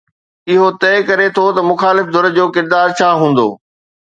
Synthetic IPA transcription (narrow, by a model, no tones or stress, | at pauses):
ɪɦot̪ɐɪkɐɾet̪ʰot̪ɐmʊxaːlɪfd̪ʱʊɾd͡ʑoːkɪɾd̪aːɾt͡ɕʰaːɦũːn̆d̪o̰ː